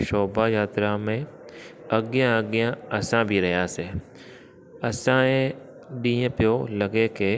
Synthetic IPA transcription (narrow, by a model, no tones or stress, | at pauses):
ʃɔːbajaːt̪ɾamẽ | ɐɡjãɐɡjãɐsãbʱiɾɐɦjaːsɛː | ɐsãẽ | ɖiːẽpjolɐɡeke